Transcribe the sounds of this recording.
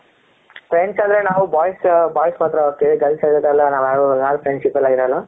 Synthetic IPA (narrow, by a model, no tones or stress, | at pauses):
fɾeɳɖsand̪ɐɾenaːʋubaːjsbaːjsmaːt̪ɾɐokeːɭiɡɐlsaɾɐd̪ɐlːɐnaːʋaːunaːlpɾeɳɖsipɐlaːɡiɾɐlːɐ